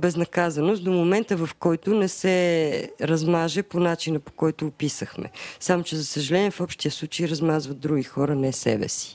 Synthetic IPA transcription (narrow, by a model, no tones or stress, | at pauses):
bɛznɐkazɐnost̪d̪omomɛnt̪əvɐfkɔjt̪ʊnɛsɛɾɐzmaʒɛponat͡ʃinəpo̥kɔjt̪ʊːpisəxmɛ̰samot͡ʃɛzɐsəʒɐlɛniɛfɔpʃt̪ijəslˠut͡ʃejɾɐzmazvɐt̪̚d̪ɾuɡixɔɾənɛsɛ̰bɛ̰si̥